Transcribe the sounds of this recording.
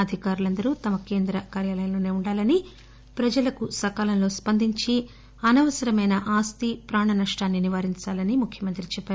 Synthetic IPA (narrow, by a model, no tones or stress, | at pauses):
ɐd̪ʱikaːɾulɐnd̪ɐɾut̪ɐmɐke̞ːnd̪ɾɐkaːɾjaːlɐjɐnloːne̞ːuɳɖaːlɐni | pɾɐd͡ʒɐlɐkusɐkaːlɐmlo̞ːspɐnd̪ʱiɲt͡ʃi | ɐnɐʋɐsɐɾɐmɐjnɐʔaːst̪ipɾaːɳɐnɐʂʈaːnːiniʋaːɾiɲt͡ʃaːlɐnimukʰjɐmɐnt̪ɾit͡ʃɛpːaːɾu